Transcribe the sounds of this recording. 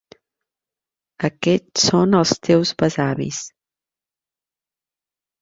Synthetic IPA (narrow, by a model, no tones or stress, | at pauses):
əkɛt͡ssonəlˠst̪ɛwzβəzaβḭs